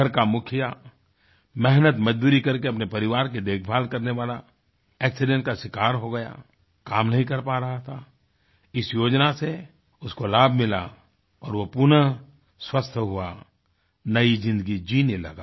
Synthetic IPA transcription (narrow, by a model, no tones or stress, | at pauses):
əɾkamʊkʰija | mɛɦnət̪mɐd͡ʒd̪uːɾikɐɾkeɐpnepɐɾɪʋaːɾk̬ed̪eːkʰbʱaːlkɐɾneʋaːla | ɛːksɪɖɛ̃ɳʈkaʃɪkaːɾɦoɡɐja̰ | kaːmnɐɦĩkɐɾpaɾɐɦat̪ʰa | ɪsjoːd͡ʒnase | ʊskolaːbʱmɪla̰ | ɔːɾʋopʊnə | swəst̪ʰɦʊa | nɐizɪ̃nd̪əɡid͡ʒiːnelɐɡaː